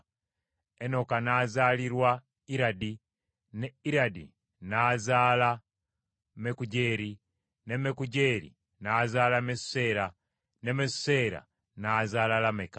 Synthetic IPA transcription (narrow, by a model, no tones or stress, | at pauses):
eno̞kanazaːliɾwa | iɾadi | neiɾadḭ | naːzaːla | mekuɟeːɾi | nemekuɟe̞ɾḭ | naːzalamese̞ɾa | nemesse̞ːɾa̰ | naːzaːlalameka